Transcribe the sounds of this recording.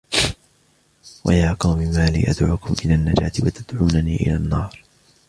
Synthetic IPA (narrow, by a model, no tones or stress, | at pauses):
wa̰jaːqɑwmɪmaːlḭːʔad̪ʕuːkʊmʔɪlaːnːad͡ʒaːt̪ɪwat̪ad̪ʕuːnaniːʔɪlaːnːɑːɾˤ